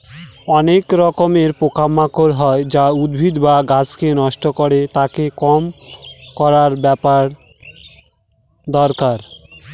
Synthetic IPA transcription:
ɔnekɾɔkomeɾpokamːakoɾɦɔed͡ʑaud̪̚bʱid̪baɡat͡ɕkenɔʃʈokoɾet̪akekɔmkɔɾaɾbɛpaɾ | d̪ɔɾkaɾ

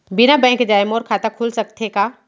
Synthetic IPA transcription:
bɪnabɛ̃ːŋkd͡ʒaːemoːɾkʰaːt̪akʰulsɐk̚t̪ʰekaː

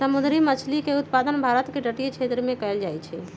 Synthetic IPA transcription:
səmud̪ɾimət͡ʃʰlikeut̪pad̪ənbʱaɾət̪keɖəʈijt͡ʃʰet̪ɾəmẽkəjld͡ʒajt͡ʃʰɛ

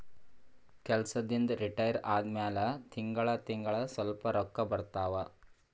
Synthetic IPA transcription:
kɛlsɐd̪ind̪ɾiʈɐjəɾaːd̪mjaːlɐt̪ʰiŋɡɐɭɐt̪iŋɡɐɭɐsʋɐlpɐɾɔkːɐbɐɾt̪aːʋa

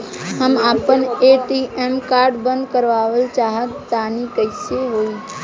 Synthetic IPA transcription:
həmaːpəneʈiemkaːɾɖbə̃nd̪kəɾʋaːʋəlt͡ʃaːɦət̪ːaːnikəɪseɦoiː

